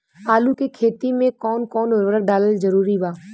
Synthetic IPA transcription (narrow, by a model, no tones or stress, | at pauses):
aːlukekʰeːt̪imẽkɔːnkɔːnɪɾʋəɾək̚ɖaːləld͡ʒɐɾuːɾibaː